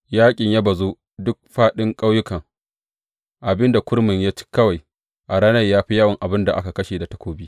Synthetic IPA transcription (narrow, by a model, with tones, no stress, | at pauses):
jaː˦kʲʼɪ˨ɲja˦bɐ˨zoː˦ | dʊ˦k̚ɸaː˦ɗɪ˦ŋkʼa˦wjʊ˦kɐ˨ŋ | ʔa˨bɪ˦nda˨kʷʊ˦ɽmɪ˨ɲjaː˦t͡ʃi̥˦kːɐ˦wa˨j | ʔa˨ɽaː˦nɐ˦rjaː˦ɸi˦jaː˦wɐ˨ŋʔa˨bɪ˦nda˨ʔa˦ka˨kɐ˦ʃeː˨da˨tɐ˦kʷoː˦biː˦